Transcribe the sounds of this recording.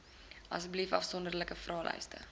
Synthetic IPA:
ʔɐ̰səblifɐ̰fsɔndərləkəfrɑːlʔœ̰ɥstə̰

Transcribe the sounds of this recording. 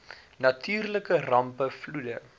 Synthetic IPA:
nɐtʰyːrləkərɐmpəfludə̰

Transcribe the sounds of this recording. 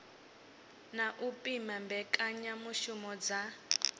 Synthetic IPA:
naʔupʼimambɛkʼaɲamuʃumɔd͡za

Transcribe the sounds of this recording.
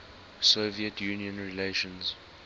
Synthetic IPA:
soviətʰjuːniə̃nɹileʃə̃nz̥

